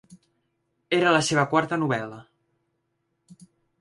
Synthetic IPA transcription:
eɾələseβ̞əkwaɾt̪ənuβɛlə

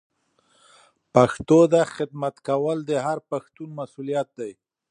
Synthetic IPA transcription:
paxt̪od̪axɪd̪mat̪kawəld̪əɦaɾpaxt̪unmasulijat̪̚d̪aj

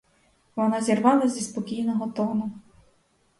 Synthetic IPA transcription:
ʋɔnɑzʲirʋɑlˠɐzʲispɔkʲijnɔɦɔt̪ɔnʊ

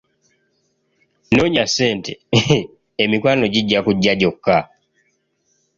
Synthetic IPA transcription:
noɲaseːnte | emikwaːno̞ɟiɟːakuɟːaɟo̞kːa

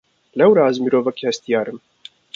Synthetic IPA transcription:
lɛwɾaːzmiɾovakast̪ijaːɾɨm

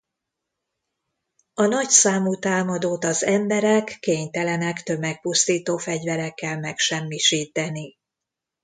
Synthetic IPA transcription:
ɒnɒcsaːmut̪aːmɒd̪oːt̪ɒzɛmbɛɾɛkːeːɲt̪ɛlɛnɛkt̪ø̞mɛk̚pust̪iːt̪oːfɛɟvɛɾɛkːɛlmɛkʃɛmːiʃiːt̪ɛni

